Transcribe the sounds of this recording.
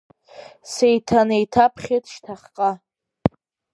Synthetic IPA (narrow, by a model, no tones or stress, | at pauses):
sejtʰanejtʰapʰχʲetʰʃtʰaχqʼa